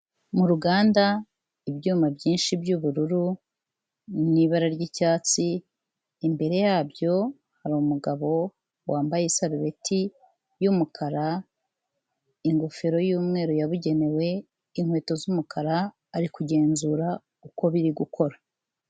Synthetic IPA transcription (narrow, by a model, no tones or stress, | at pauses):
muɾuɡaːnda | ibɟuːmabɟiːnʃibɟuβuɾuɾu | niβaɾaɾɟicaːt͡siː | mbe̞ɾe̞jaːbɟo̞ | haɾuumuɡaβo̞ | waːmbajeisaβiβe̞tʰi | jumukʰaɾa | iŋɡo̞fe̞ɾo̞juːmŋe̞ːɾojaβuɟe̞ne̞we̞ | iŋ̥hwe̞ːto̞zumukʰaɾaː | ɾikuɟe̞ːnzuːɾa | uko̞βiɾiɡukʰo̞ɾa